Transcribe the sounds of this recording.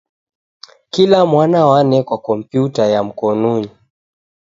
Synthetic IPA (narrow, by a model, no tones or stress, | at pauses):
kilamwanawanɛkwakɔm̩pjutajam̩kɔnuɲi